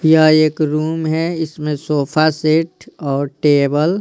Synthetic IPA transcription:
jaeːkɾuːmɦɛɪsmẽsoːpʰaseːʈɔːɾʈeːbəl

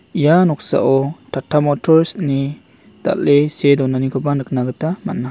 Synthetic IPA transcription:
ijanɔk̚sa̰ʔɔtatʰamɔtʰɔɾistni | d̥a̰ʔesedɔnanikʰɔbanɯk̚naɡɯtama̰nːa

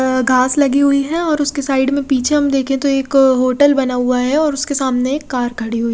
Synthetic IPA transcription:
ɡʱaːslɐɡiɦʊiɦɛ̃ɔːɾʊskesaːɪɖmẽpiːt͡ʃʰeɦɐmd̪eːkʰẽt̪oeːkɦoːʈəlbɐnaɦʊaɦɛɔːɾʊskesaːmneeːkːaːɾkʰɐɽiɦʊi

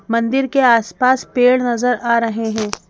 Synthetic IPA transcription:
mɐ̃nd̪ɪɾkeaːspaːspeːɽnɐzəɾaːɾɐɦeɦɛ̃ː

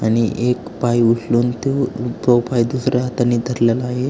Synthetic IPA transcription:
aɽ̃iʔekpajuʂluːnt̪opɾopajd̪usɾjaat̪anːiːd̪ʱəɾlalaɦe

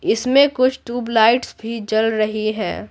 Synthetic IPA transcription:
ɪsmẽkʊt͡ʃʰʈuːblaːɪʈsbʱid͡ʒɐlɾɐɦiɦɛ̰̃ː

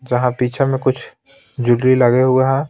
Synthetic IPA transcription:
d͡ʒɐɦãpiːt͡ʃʰemẽkʊt͡ʃʰ | d͡ʒʊɽɾilɐɡeɦʊaɦɛ̃

